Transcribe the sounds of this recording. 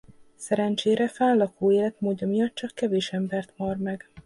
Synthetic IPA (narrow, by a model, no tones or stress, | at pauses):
sɛɾɛnt͡ʃeːɾɛfɛːllɒkoːeːlɛt̪moːɟːɒmijɒt̪ːt͡ʃɒkːɛveːʃɛmbɛrt̪mɒrmɛɡ̥